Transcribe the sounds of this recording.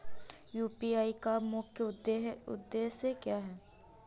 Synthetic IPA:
juːpiːaːikamʊkeʊ̰d̪ːeːsekjaːɦɛː

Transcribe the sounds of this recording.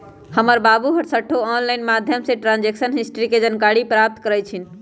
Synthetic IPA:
həməɾbabuɦəɾsəʈʰːoɔnlaɪnmad̪ʱjəmseʈɾãnd͡ʒeksənɦisʈəɾiked͡ʒənkaɽipɾap̚t̪kəɾɛt͡ʃʰin

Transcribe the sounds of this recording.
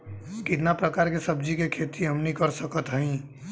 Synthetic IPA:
kɪt̪napɾəkaːɾkesəb̚d͡ʒikekʰet̪iɦəmnikəɾsəkət̪ɦəĩ

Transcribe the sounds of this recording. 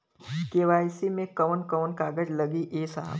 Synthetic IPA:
keːʋaːjsimẽkɐʋnkəʋnkaːɡəd͡ʒlɐɡiʔeːsa̰ɦ

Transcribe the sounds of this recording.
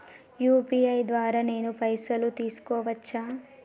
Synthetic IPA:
juːpiɐjd̪ʋaːɾaːne̞ːnupɐjsɐlut̪iːsu̥kɔːʋɐt͡ʃːaː

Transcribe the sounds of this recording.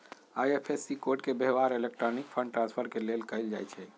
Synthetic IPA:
ajepʰesːikoʈkebeɦbaɾelek̚ʈɾɔnikpʰə̃ɳɖ̚ʈɾãnspʰəɾkelelkəɪld͡ʒa̰jt͡ʃʰɛ

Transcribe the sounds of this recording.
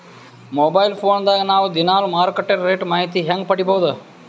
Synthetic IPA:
moːbaːilpʰoːnd̪anaːʋd̪ɪnaːlmaːɾkeʈeɾːeːʈmaːɦit̪iɦɐŋɡ̚pəɽibʱoʋd̪ə

